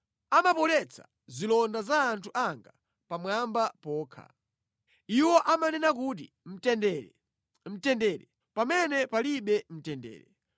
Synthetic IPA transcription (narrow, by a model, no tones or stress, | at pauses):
amapɔlɛt͡sʰḁ̰ | zilɔndazaːntʰuʔaŋɡa | pamwambapɔːkʰa̰ | iwɔʔamanɛnak̬uːt̬ḭ | m̩tɛndɛ | m̩tɛndɛɾɛ | pamɛnɛpaliɓɛm̩tɛndɛ̰ːɾɛ